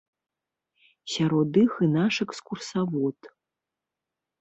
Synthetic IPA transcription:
sʲaɾod̪ɨxɨnaʂekskursavutʰʼ

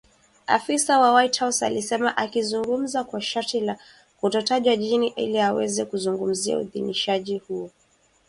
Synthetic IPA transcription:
a̰fisawawajthawsa̰lisɛmaʔakizuŋɡum̩zakwaʃaɾtila | kutɔtaʄwaʄiniʔḭliawɛzɛkuzuŋɡum̩zia̰ṵðḭniʃaʄihuɔ

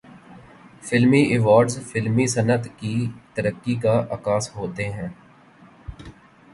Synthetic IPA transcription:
fɪlmiʔɪʋaːɾɖzfɪlmisənət̪kit̪əɾəkːikaʔɐkaːsɦoːt̪eɦɛ̃ː

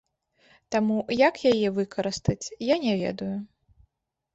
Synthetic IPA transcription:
t̪amujɐkjajɛvɨkʰɐɾɨst̪ɐt͡sʲjanʲɛvʲɛ̰d̪ɐju

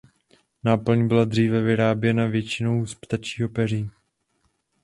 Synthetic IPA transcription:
naːpl̩ɲbɪlad̪r̝iːvɛvɪɾaːbjɛnavjɛt͡ʃɪnowspt̪at͡ʃiːɦopɛr̝iː

